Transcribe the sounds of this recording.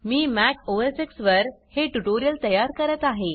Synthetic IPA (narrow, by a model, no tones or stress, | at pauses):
miːmækʰoʋəɾseksʋəɾheʈuʈoɾijəlt̪əjaɾkəɾət̪aɦe